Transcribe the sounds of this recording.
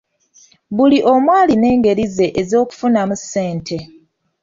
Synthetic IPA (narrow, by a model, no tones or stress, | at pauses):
βuliʔo̞mwaːline̞ːŋɡe̞ɾize̞ʔezo̞ːku̥funamusːe̞ːntʰe̞